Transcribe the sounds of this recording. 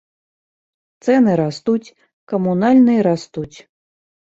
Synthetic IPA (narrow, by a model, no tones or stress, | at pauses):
t̪sɛnɨɾast̪ut͡sʲ | kɐmunalʲnɨjiɾast̪ut͡sʲ